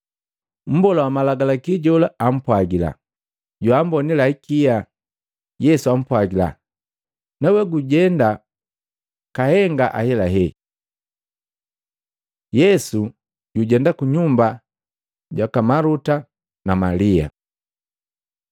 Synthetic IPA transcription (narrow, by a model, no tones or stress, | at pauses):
m̩bɔlawamalaɡalakiɟɔlaam̩pwaɡila̰ | ɟuam̩bɔnilaikija | jɛsuam̩pwaɡila̰ | nawɛɡuɟɛnda | kahɛŋɡaʔa̰hɛlaɦɛ | jɛsu | ɟuɟɛndakuɲumba | ɟwakamaluta | namalia̰